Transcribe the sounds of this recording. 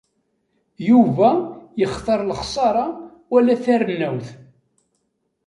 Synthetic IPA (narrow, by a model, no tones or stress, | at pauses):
juvæjəχθəɾˤlχsˤɑɾˤɑ | wælæθærənːæwθ